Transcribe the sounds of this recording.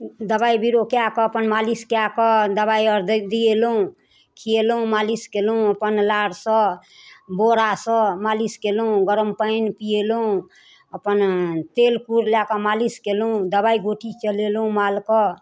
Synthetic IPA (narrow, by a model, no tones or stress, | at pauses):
d̪əbaibiɾokeakɔəpənmaliskeakəd̪əβaiəɾd̪d̪ielũ | kʰielũmaliskelũəpənlaɽsə̃ | boɾasə̃maliskelũɡəɾəmpəjnpielɦũ | əpənt̪elkuɾljakəmaliskelũd̪əbaiɡoʈit͡ʃəlelũmalkə